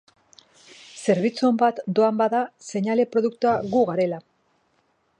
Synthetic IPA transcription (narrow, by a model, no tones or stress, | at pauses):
se̞ɾβit͡sumbat̪d̪o̞ambaðase̞ɲale̞pɾo̞ð̞ukt̪uaɣuɣaɾe̞la